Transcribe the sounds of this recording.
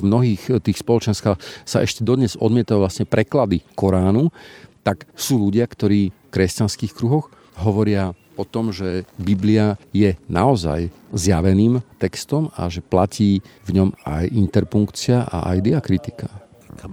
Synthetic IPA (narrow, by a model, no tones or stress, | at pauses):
mnɔɦiːxt̪iːxspɔlɔt͡ʃɛnskaːxsa̰ʔɛʃcɛd̪ɔd̪ɲɛzɔd̪mɪɛt̪ajuʋlasɲɛpɾɛklad̪ikɔɾaːnut̪aksuːluɟɪakt̪ɔɾiːfkɾɛscanskiːxkɾuɦɔx | ɦɔʋɔɾɪa | ɔt̪ɔmʒɛbibliajɛnaɔza̰jzjaʋɛniːmt̪ɛkst̪ɔma̰ʒɛplaciːvɲɔma̰jint̪ɛɾpuŋkt͡sɪaʔa̰ʔa̰jd̪iakɾit̪i̥ka